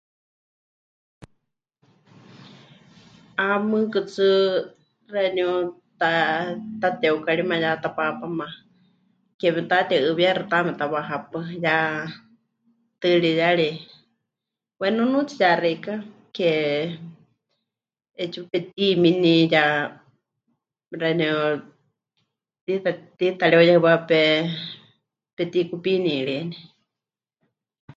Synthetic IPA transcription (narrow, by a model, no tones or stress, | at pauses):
amɨkɨt͡sɨ | rɛnut̪at̪at̪ɛukaɺimãjat̪apapamã | kɛmɛt̪at̪ɛɨβjaɾɨt̪amɛt̪awaɦapɨja | t̪ɨɺijaɺi | wɛnunut͡sʰijarɛka | kɛ | ɛt͡ʃipɛt̪iminija | ɾanɛ | t̪it̪at̪it̪aɺiojahɨβapɛ | pɛt̪ikupiniɺini